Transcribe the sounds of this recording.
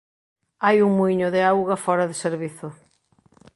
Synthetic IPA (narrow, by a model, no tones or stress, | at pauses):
ajuŋmuiɲʊðɪawɣɐfɔɾɐðɪseɾβiθʊ